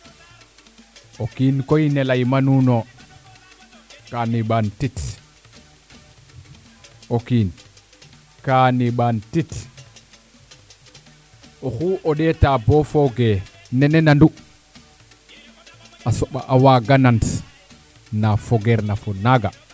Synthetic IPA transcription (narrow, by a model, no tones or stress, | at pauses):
ʔokinkɔjnɛlajmanunɔ | kaniɓantit | okin | kaniɓantit | ʔɔxuʔɔɗɛtabɔfɔɡɛ | nɛnɛnandu | ʔasɔɓaʔawaɡanant | nafɔɡɛɾnafɔnaɡa̰